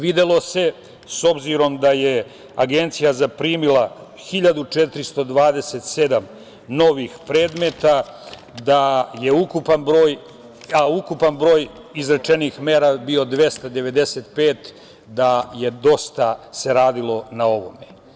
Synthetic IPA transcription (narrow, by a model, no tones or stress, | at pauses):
ʋid̪elˠo̞se̞ | so̞bziɾo̞md̪aje | aɡent̪sijazapɾiːmila | xiʎad̪ut͡ʃet̪ɾist̪o̞d̪ʋaːd̪eset̪se̞d̪am | no̞ʋixpɾe̞ːd̪me̞t̪a | d̪aje̞ukupanbɾo̞ːj | aukupanbɾo̞ːj | izɾat͡ʃe̞nixmeːɾabio̞d̪ʋe̞st̪ad̪e̞ʋe̞d̪e̞seːt̪̚pe̞ːt̪ | d̪aje̞d̪o̞st̪ase̞ɾaːd̪ilo̞nao̞ʋo̞me